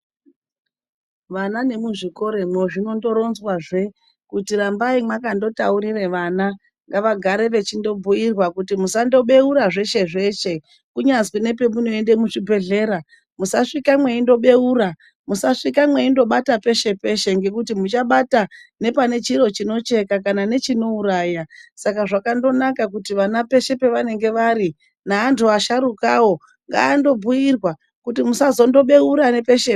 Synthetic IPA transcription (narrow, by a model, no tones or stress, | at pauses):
ʋanane̞muʐiko̞ɾe̞mweʐino̞ndo̞ɾo̞nzwaʐe̞ | kutiɾambaimwakando̞tauɾireʋana | ŋɡaʋaɡʱaɾe̞ʋe̞t͡ʃindo̞bʱuirwakutimusando̞ɓe̞uɾaʐe̞ʃe̞ʐe̞ʃe̞ | kuɲazwine̞p̬e̞munoende̞muʂibʱe̞ɮe̞ːɾa | musaʂikamwe̞indo̞ɓe̞uɾa | musaʂikamwe̞indo̞ɓatape̞ʃe̞pe̞ʃe̞ŋɡe̞kutimut͡ʃaɓatane̞pane̞t͡ʃiɾo̞t͡ʃino̞t͡ʃe̞kakanane̞t͡ʃino̞uɾaːjasakaʐakando̞nakak̬utiʋanape̞ʃe̞pe̞ʋane̞ŋɡe̞ʋaɾi | naːntʰuaʃaɾukawo̞ | ŋɡa̰ːndo̞bujirwa | kutimusazo̞ndo̞ɓe̞uɾane̞pe̞ʃe